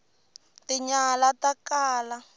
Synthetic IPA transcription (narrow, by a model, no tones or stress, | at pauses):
tiɲalatakaːla